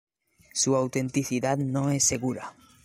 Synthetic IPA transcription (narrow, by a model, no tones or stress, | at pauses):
suawt̪ẽ̞nt̪iθiðaðnoesːe̞ɣuɾa